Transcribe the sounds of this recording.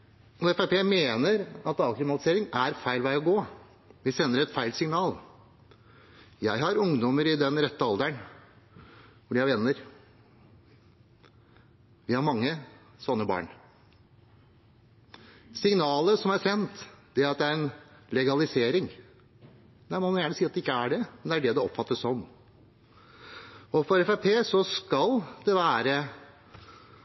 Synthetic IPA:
ɔɛfæɪpʰeːmeːnəɾɑt̪ɑlkɾɪmɑt̪ɪseːɾɪŋæɾfæɪlʋæɪɔɡoː | ʋɪsɛnːəɾɛt̪fæɪlsɪŋnɑːl | jæɪɦɑɾʊŋd̪ɔməɾɪd̪ɛnɾɛt̪ːəɑld̪æɳ | ʋʊɖɪjæɪʋɛnːəɾ | ʋɪhɑɾmɑŋːəsɔnːəbɑ̰ːɳ | sɪŋnɑːləsɔmæɾsɛnt̪d̪ɛɑt̪̚d̪ɛæɾɛnlɛɡɑlɪseːɾɪŋ | næɪmɔmɑnjæːɳəsiːɑt̪d̪ɛɪkːəæɖɛmɛnd̪ɛæɖɛd̪ɛɔpːfɑt̪ːəʂɔm | ɔfɔɾɛfæpʰeːsɔskɑld̪ɛʋæːɾə

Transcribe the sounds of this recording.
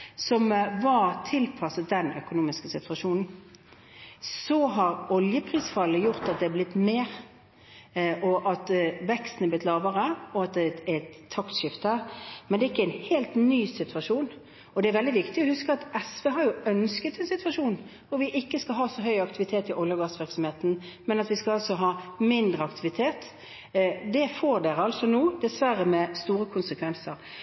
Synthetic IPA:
sɔmʋɑɾt̪ʰɪlpʰɑsəd̪ɛnœ̰kʊnuːmɪskəsɪt̪ʰʉɑʂuːnn̩ | sɔɦɑɾɔljəpʰʁiːsfɑlːəjʊʁt̪ɑt̪̚d̪ɛɛblɪt̪ːmeːʁ | ʔɔʔɑt̪ʋɛkst̪n̩ɛblɪt̪lɑːʋəʁəɔɑt̪̚d̪ɛɛt̪ʰːɑkt̪ʃɪft̪əmɛnd̪ɛɪkːəæɪnheːlt̪nyːsɪt̪ʰʉɑʂuːn | ɔd̪ɛæɾʋɛld̪ɪʋɪkt̪ɪɔhʉskəɑt̪ɛsʋeːɦɑɾjʊœnskət̪ɛnsɪt̪ʉʋɑʂuːnʋʊɾʋɪʔɪkːəskɑlɦɑːsɔɦœʏɑkt̪ɪʋɪt̪ʰeːt̪ɪʔɔljəɡɑːsʋɪɾksɔmheːt̪n̩ | mɛnɑt̪ʋɪskɑlɑlsɔɦɑːmɪnd̪ɾəɑkt̪ʰɪʋɪt̪ʰeːt̪ | d̪ɛfoːɾd̪eːɾəɑlsɔnuːd̪ɛsʋæɾəmɛst̪uːɾəkʰʊnsəkʰʋɛnsəɾ

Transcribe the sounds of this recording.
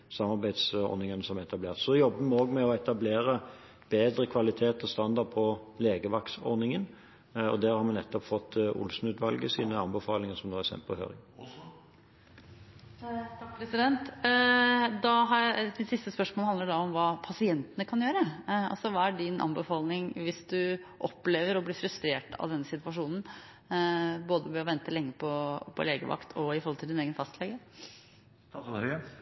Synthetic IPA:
sɑmɑɾbæɪd̪sɔ̰ɾnɪŋənəsɔmɛt̪ɑbleːʁt̪sɔd̪ɛjɔbːəmɛoːɡmɛɔɛt̪ɑbleːɾə | b̥eːd̪ɾəkʰʋɑlɪt̪ʰeːt̪ɔst̪ɑnd̪ɑd̪̚pʰɔleːɡəʋɑksɔ̰ɾnɪŋən | ɔ̰d̪æːɾhɑɾmɛnɛt̪ːɔpfɔt̪ːʊ̰lsn̩ʉːt̪ʋɑlɡəsiːnəɑnbəfɑːlɪŋəsɔmnoːæsɛ̰mpəlhø̰ːɾɪ̰ | pʰɾɛsɪd̪ɛnt̪ | d̪ɑɦɑd̪ɪt̪sɪst̪əspœʂmolhɑnd̪əɖɑɔmʋɑːpʰɑsɪɛnt̪ənəkʰɑnjøːɾəɑ̰lsɔʋɑːæɖɪnʔɑ̰mbəfɑːlnɪŋʋɪsd̪ʉʔɔpːleːʋəɾɔblɪfɾʉst̪ɾeːʈɑ̰ʋd̪ɛnːəsɪt̪ʋɑʂuːnn̩ | boːd̪əʋɛɔʋɛnt̪əlɛŋːəpʰɔpʰɔ̰leːɡəʋɑ̰kt̪ʰɔɪfɔɾhɔlt̪ɪld̪ɪneːɡənfɑst̪ʰlɛɡə

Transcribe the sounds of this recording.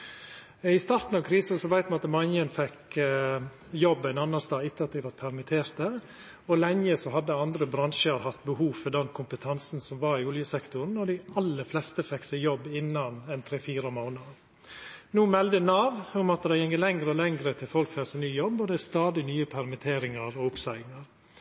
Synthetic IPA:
ɪst̪ɑɾt̪n̩ɑʋkʰɾiːsɑsɔʋæɪt̪mɑnɑt̪mɑnjənfɛk | jɔbːɛɪnɑnːɑst̪ɑːɪt̪ːəɑt̪̚d̪ɪʋɑɾpʰæɾmɪt̪ʰeːɾt̪ə | ɔlɛŋːəsɔɦɑd̪ːəɑnd̪ɾəbɾɑnʃəɾhɑt̪ːbəhuːʋfɔd̪ɛnkʰʊmpət̪ʰɑnsn̩sɔmʋɑɾɪʊljəsɛkt̪ʊɾn̩ːɔɖ̪ɪɑlːəflɛst̪əfɛkːsæɪjɔbːɪnːɑnɛnt̪ʰɾeːfiːɾəmaʊnɑ | nuːmɛld̪ənɑːʋʊmɑt̪d̪æɪjɛŋːəlɛŋɾəɔlɛŋɾət̪ʰɪlfɔlkfæsɪnyːjɔbːɔd̪ɛst̪ɑːd̪ɪnyːəpʰæɾmɪt̪ʰeːɾɪŋɑɾɔʊpsæɪŋɑɾ

